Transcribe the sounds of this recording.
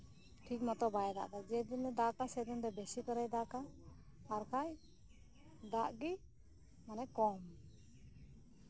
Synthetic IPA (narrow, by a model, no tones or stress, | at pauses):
ʈʰik̚mɔt̪ɔbajɛd̪a̰ʔd̪ad͡ʒɛd̪inɛd̪akasɛd̪und̪ɛbɛsikɔɾajd̪aka | aɾkʰaj | d̪aʔɡi | manɛkɔm